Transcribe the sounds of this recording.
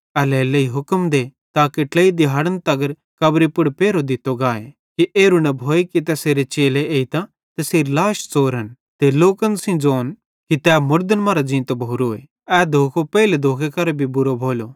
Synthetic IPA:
ɛlɛːlːeiɦʊkəmd̪e | t̪aːkeʈləid̪iɦaːɽənt̪ɐɡəɾ | kɐbɾipʊɽpeːɾod̪ɪt̪ːoɡaːe | kiʔeːɾunɛbʱoːekit̪ɛːseːɾet͡ʃeːleeːit̪ã | t̪ɐseːɾlaːʃt͡soːɾɦən | t̪eloːkənsĩd͡zoːn | kit̪ɛːmʊɾd̪ənmaːɾad͡ʒĩːt̪obʱoːɾoːḛ | ɛːd̪ʱoːkʰopɛiled̪ʱoːkʰekɐɾbʱibʊɾobʱoːlo

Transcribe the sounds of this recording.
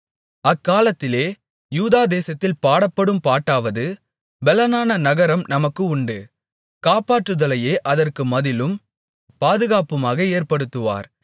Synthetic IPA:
ɐkːaːlɐt̪ːɪleː | juːðaːd̪eːsɐt̪ːɪlpaːɽɐpːɐɽɯmpaːʈːaːʋɐðɯ | bɛlɐnaːnɐnɐɣɐɾɐmnɐmɐkːɯʊɳɖɯ | kaːpaːʈrɯðɐlɐjeːʔɐðɐrkɯmɐðɪlɯm | paːðɯɣaːpɯmaːɣɐeːrpɐɽɯt̪ːɯʋa̰ːɾ

